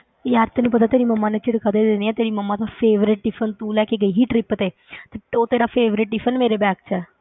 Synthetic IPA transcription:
jaːɾt̪ɛːnũːpət̪aːt̪eːɾiːməmːãːnet͡ʃɪɽkʰaːd̪eːd̪ɪniːɛːt̪eːɾiːməmːãːd̪aːpʰeːʋɾɪʈːɪfʰənt̪uːlɛːkeɡəiːɦiːʈɾɪpt̪eː | t̪eːoːt̪eːɾaːpʰeːʋɾɪʈːɪfʰənmeːɾeːbɛːkt͡ʃɛː

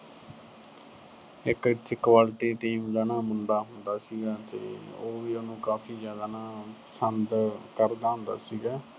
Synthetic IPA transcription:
ɪkɪt̪ʰːkʋaːlʈiːʈiːmd͡ʒaːnaːmʊɳɖaːɦʊnd̪aːsiːɡaːt̪ḛːoːʋiːonũːkaːpʰiːzjaːd̪aːnaːpəsənd̪kəɾd̪aːɦʊ̃nd̪a̰ːsiːɡaː

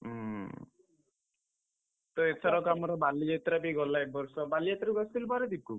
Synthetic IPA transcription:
t̪ɔet̪ʰɔɾɔkamɔɾɔbaliet̪ɾabiɡɔlaek̚bɔɾsɔbaliet̪ɾaɾuɡɔst̪ilpaɾed̪ikːu

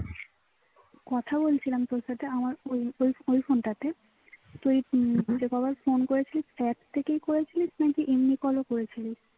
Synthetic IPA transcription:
kɔt̪ʰabolt͡ɕʰilamt̪oɹsat̪eamaɹojojojpʰontat̪e | t̪ujd͡ʑekɔbapʰonkoɹet͡ɕʰilisɛp̚t̪ʰːekejkoɹet͡ɕʰilisnakiʔimnikɔlokoɹet͡ɕʰili

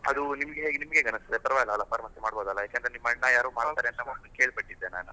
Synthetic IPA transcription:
ɐ̰d̪unimɐɡeɦeːɡenimɐɡeɡɐnɐst̪d̪epɐɾɐʋaːjɐlːɐlːɐpɐɾɐmɐsemaːɽboːd̪ɐlːɐjaːkend̪ɾenimːɐnːɐjaːɾuːmaːɽt̪aːɾeɐnnɐmɐke̞ːɭpɐʈːid̪ːena̰ːnṵ

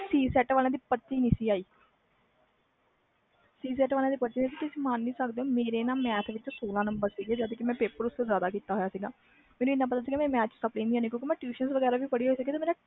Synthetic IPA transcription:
siːsɛːʈʋaːlẽãːd̪iːpət̪ːiːniːsiːaːiː | siːsɛːʈʋaːlẽãːd̪iːpət̪ːiːnisiːt̪ʊsĩːmaːnːiːsəkd̪eõːmeːɾeːnaːmɛːt̪ʰʋɪt͡ʃsoːlãːnəmbəɾsiɡeːd͡ʒəd̪kɪmɛ̃ːpeːpəɾʊsozjaːd̪aːkiːt̪aːɦojaːsiːɡaː | mɛːnũːɪnːãːpət̪aːsiɡemɛ̃ːmɛːt͡ʃsəplẽːnd̪iãːnĩːkjõːkimɛ̃ːʈjuːʃənsʋəɡɛːɾaːʋiːpəɽiːɦoːiːsəɡeːt̪aːmeːɾãː

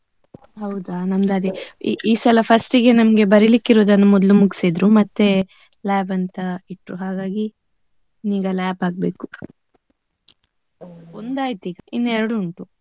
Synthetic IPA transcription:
ɦɐwd̪anɐmd̪aːd̪iiːsɐlɐpʰɐsʈiɡe̞nɐmɡe̞bɐɾilikːiɾoːd̪ɐnːɐmɔd̪lumuksid̪ɾumɐt̪ːe̞ | laːbɐnt̪ɐiʈːɾuɦaːɡaːɡi | niːɡɐlaːbaːɡ̚be̞ːku̥ | ond̪aːjt̪iːɡɐʔinːɛɾɐɽuːɳʈu

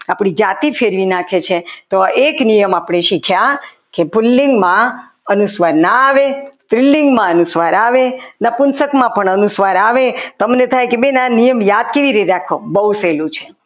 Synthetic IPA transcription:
apɽid͡ʒat̪ifʰeɾʋinakʰet͡ʃʰet̪oeknijəmapɽ̃eʃikʰja | kebulːiŋɡmã | ənusʋaɾnaːʋest̪ɾilːiŋɡmãənusʋaɾaʋenapʊnsəkmãpəɳənusʋaɾaʋet̪əmnet̪ʰajkebenanijəmjad̪̚keʋiɾit̪eɾakʰobəuselũt͡ʃʰe

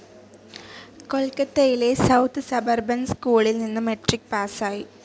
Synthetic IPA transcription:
ko̞ɭkɐt̪ːejilesɐwt̪ʰɨsɐbɐrbɐnskuːɭilninːɨmeʈrik̚paːsaːji

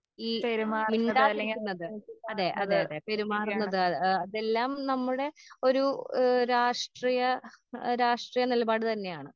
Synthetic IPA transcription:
iːeɾmaːinɖaːunːɐðɨɐðe̞ʔɐðeːɐðepe̞ɾumaːrunːɐðɨɐɐðe̞lːaːmnɐmːuɽe̞o̞ɾuɾaːʂʈriːjɐɾaːʂʈrijɐnilɐbaːɽɨt̪ɐnːe̞jaːɳɨ

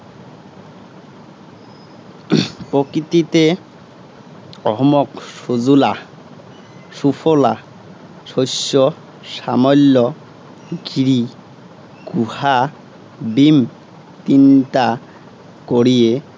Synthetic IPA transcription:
pɾokɾit̪it̪e | ɔɦmɔkʃod͡ʑula | ʃufʰola | ʃoʃːɔ | ʃamɔlːɔ | ɡiɾi | ɡ̥uha | bim | t̪int̪a | koɾije

